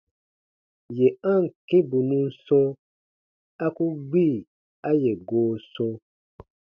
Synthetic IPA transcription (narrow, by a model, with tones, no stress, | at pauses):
je˨ã˦˨ŋ̩˨kẽ˦bu˨nũ˦n˦sɔ̃˦ | a˦ku˦ɡ͡bi˦˨ | a˦je˨ɡoː˨˦sɔ̃˦